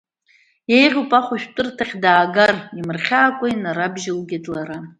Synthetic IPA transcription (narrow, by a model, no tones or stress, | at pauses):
jejʁʲupʼaχʷuʃᶣtʷʼɨrtʰaχʲdaːɡarimɨrχʲaːkʷʼainaɾabʒɪlɡʲatʼlaɾa